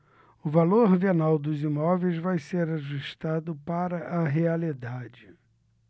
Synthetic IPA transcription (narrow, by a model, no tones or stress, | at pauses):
ʊvaloɾvenawd̪ʊzimɔvejzvajseɾaʒuʃt̪ad̪ʊpaɾɐʔɐɦealid̪ad͡ʒɪ